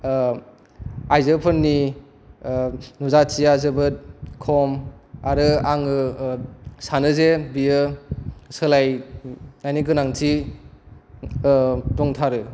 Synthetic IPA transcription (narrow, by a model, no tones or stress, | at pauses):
ajzɯpʰɯɾni | nuzat͡ʃiazɯbɯt̚kʰɔmaɾɯaŋɯ | sanɯzebiɯ | sɯlaj | najnikɯnaŋtʰi | tɔŋtʰaɾɯ